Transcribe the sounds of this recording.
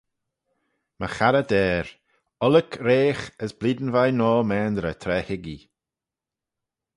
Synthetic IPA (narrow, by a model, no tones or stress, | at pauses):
mə̰xaɾəd̪ɛːɾ | ɔləkʰɾeːxəsbliːd̪ən̩vajnɔːmɛːnd̪ɾət̪ʰɾɛːhɪɡi